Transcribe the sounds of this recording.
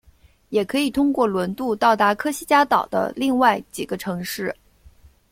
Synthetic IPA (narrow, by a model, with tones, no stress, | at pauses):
jɛ˨˩kʰɤ˧˥i˨˩t̪ʰʊ˥ŋkwɔ˥˩lwə˧˥nt̪u˥˧t̪ɑ˥˩ʊt̪a˧˥kʰɤ˥ɕi˥t͡ɕja˥t̪ɑ˨˩ʊd̪ə̰˦li˥˧ŋwa˥˩ɪt͡ɕi˨˩ɡə˦ʈ͡ʂʰɤ˧˥ŋʂɻ̩˥˩